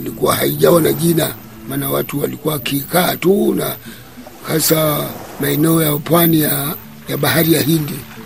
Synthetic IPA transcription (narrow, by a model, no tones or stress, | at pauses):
ilikuwahaiʄawanaʄina | maːnawatuwalikuwakikaːtuna̰ | hasamaɛnɛɔjapwanija | jaɓaɦaɾijaɦindi